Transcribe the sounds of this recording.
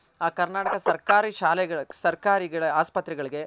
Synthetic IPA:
aːkɐɾnaːʈɐkɐsɐɾkaːɾiʃaːlɛɡɐɭsɐɾkaːɾiɡɐɭɐaːspɐt̪ɾɛɡɐɭiɡe̞

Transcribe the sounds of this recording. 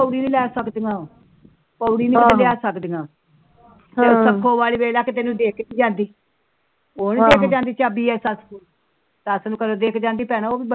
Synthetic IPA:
əɽiːnĩːlɛːsəkd̪iŋãː | pəːɽiːniːlɪjaːsəkd̪iŋãː | esəkʰːoːʋaːliːʋeːlaːkɪt̪̬eːnũːd̪eːkʰiːd͡ʒãːnd̪iː | oːnːd̪eːkd͡ʒãːnd̪iːt͡ʃaːbiːɛːsaːskuː | t̪asãːnũːkəɾoːd̪eːkʰd͡ʒãːnd̪iːpɛːnãːoːbiːbə

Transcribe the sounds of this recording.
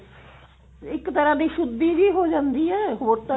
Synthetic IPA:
ɪkt̪əɾãːd̪iːʃʊd̪ːiːbiːɦoːd͡ʒãːnd̪iːɦɛːɦoɾt̪a

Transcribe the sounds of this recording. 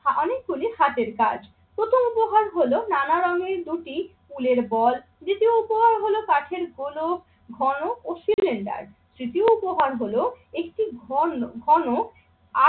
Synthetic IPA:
ɔnek̚kulihʰat̪eɾka̰d͡ʑ | pɾot̪ʰomupoɦaɾɦolonanaɾɔŋeɾd̪uʈipuleɾbɔl | d͡ʑit̪ioupoɦaɾɦolokaʈʰeɾɡolok̚ | ɡʱɔnokosileɳɖa̰ɾ | t̪ɾit̪ioupoɦaɾɦolo | ekʈiɡʱɔnok | a

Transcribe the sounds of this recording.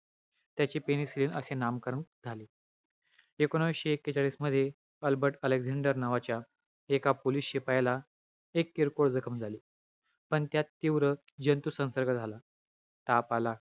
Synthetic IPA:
t̪jat͡ɕiːpenisliːnəsenamkəɾəd͡zʱaliː | ekonəʋeɕiekːet͡ɕaɭiːsməd̪ʱːje | əlbəɾʈəleɡd͡zəɳɖəɾnaʋat͡ɕja | ekapoliːsɕipajla | ekːiɾkoɽd͡zəkʰəmd͡zʱaliː | pəɳt̪jat̪ːiʋɾə | d͡ʑənt̪usə̃w̃səɾɡəd͡zʱala | t̪apala

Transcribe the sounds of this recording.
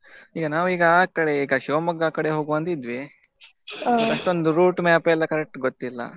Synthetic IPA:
iːɡɐnaːʋuiːɡɐaːkɐɽe̞iːɡɐʃoːmɐɡaːkɐɽe̞ɦoːɡuʋɐnd̪id̪ʋi | ɐʂʈːo̞nd̪uɾuːʈmaːpɛlːɐkɐɾek̚ʈɡot̪ːilːɐ̰

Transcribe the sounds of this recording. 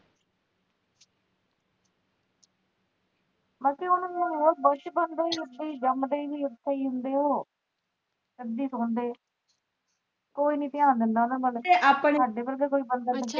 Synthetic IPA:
maːkeʊnũːɦoːɾbət͡ʃbənd̪eːiʊd̪iːd͡ʒəmd̪eːʋiːʊt̪ʰːeːiːɦʊ̃nd̪eːoː | səd̪iːsoːɳd̪eː | koːiːnĩːt̪ɪjãːnd̪ɪnd̪aːnabəleʔaːpɳeaːɖeːpəɾɡeːkoːiːbənd̪aɾ

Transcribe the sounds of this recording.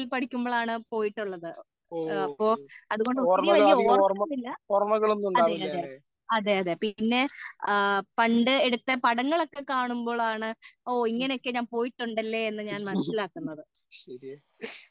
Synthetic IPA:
ilpɐɽikʲːumboːɭaːɳɨpo̞ːjiʈːuɭːɐðɨ | ɐpːo̞ːɐðuɣo̞ɳɖɨorɐʋɐlijɐoːɾɐɐmilːɐpormɐɣɐɭonːuɳɐaːðeɐðeɐe | ɐðeɐðepinːe̞ | fɐɳɖɨeɽut̪ːɐpɐɽɐŋːɐɭo̞kːe̞kaːɳumbo̞ːɭaːɳɨoːiŋːɐnejo̞kːe̞ɲaːnpo̞ːjiʈːuɳɖɐlːeenːɨɲaːnmɐnɐsilaːkːunːɐðɨɐɾi

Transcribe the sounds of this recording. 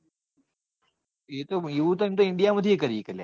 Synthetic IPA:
eːt̪ojiut̪̬oimt̪oɪɳɖijaməd̪ʱiekəɾikəlja̰ː

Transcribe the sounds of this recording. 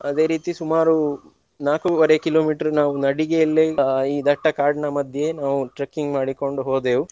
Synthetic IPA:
ɐd̪e̞ːɾiːt̪isumaːɾu | naːkuɐɾekilo̞ːmiːʈɐɾnaːʋunɐɽiɡeilːeiːd̪ɐʈːɐkaːɾɖnɐmɐd̪ʱje̞naːʋuʈɾɐkːiŋɡmaːɽiko̞ɳɖuɦoːd̪eːʋu

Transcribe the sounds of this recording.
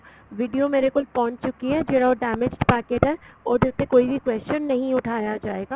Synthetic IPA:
ʋiːɖijomeːɾekolpɔ̃ɦːɲt͡ʃt͡ʃʊkiɦɛd͡ʒeːɽaoɖɛːmɪd͡ʒʈpaːɾkeʈɦɛɔːɾd̪ɪt̪ekoːibʱikwɛːst͡ʃənːɐɦĩʊʈʰaːjad͡ʒaːeːɡaː

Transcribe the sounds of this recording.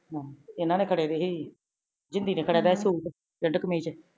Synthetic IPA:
ɦãːɪnãːneːkʰəɽeːd̪eːɦiː | d͡ʒɪnd̪iːneːkʰəɽaːd̪aːsuːd | d͡ʒəɳɖəkəmiːt͡ʃɛ

